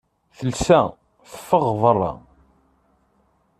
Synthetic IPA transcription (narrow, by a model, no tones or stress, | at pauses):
θəlsæ | θəfːəʁðˤərˤːɑ̰